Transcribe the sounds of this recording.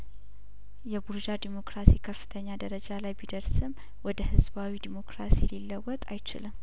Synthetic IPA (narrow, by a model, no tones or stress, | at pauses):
jɛbuɾd͡ʒad̪imo̞kɾasikʰəfːɨ̥t̪ʰəɲːad̪əɾəd͡ʒalajbid̪əɾsɨm | wɔd̪əhɨzbawid̪imo̞kɾasililːəwɔt̪ʼajt͡ʃɪ̰lɨm